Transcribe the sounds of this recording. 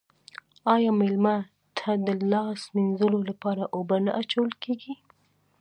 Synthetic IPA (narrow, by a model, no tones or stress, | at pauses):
ɑjɑmɪlma | t̪ʰad̪əlɑsminzəlolapɑɾaʔobanaʔat͡ʃawəlkeɡi